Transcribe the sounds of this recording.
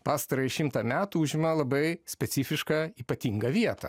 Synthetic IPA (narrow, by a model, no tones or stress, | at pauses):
pɑːst̪ɐɾɐɪʃʲɪmt̪ɐːmʲæːt̪uʊʒʲɪmɐlˠɐbɐɪsʲpʲɛt̪sʲɪfʲɪʃkɑiːpɐt̪ʲiŋɡɐʋʲiɛt̪ɐ̰